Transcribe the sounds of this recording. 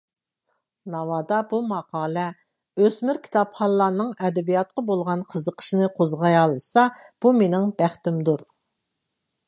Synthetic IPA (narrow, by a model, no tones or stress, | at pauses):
nɑwɑːd̪ɑbumɑqʰɑːlˠɛ | øsmɪɾkʲʰi̥t̪ʰɑpχɑlˠːɑnɨŋɛd̪ɛbijɑt̪̚qɑbolˠʁɑnqʰəzəqʰə̥ʃinɨqʰozʁɑjɑlˠːɨsɑb̥umenɪŋbæχt̪ɪmd̪uɾ